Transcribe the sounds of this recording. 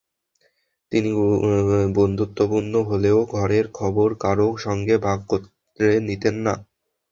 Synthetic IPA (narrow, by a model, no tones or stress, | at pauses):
t̪ini | bond̪ʱut̪ːopunːoɦoleoɡʱɔɾeɾkʰɔboɾkaɾoʃɔŋɡebʱaɡ̚kot | ɾenit̪enːa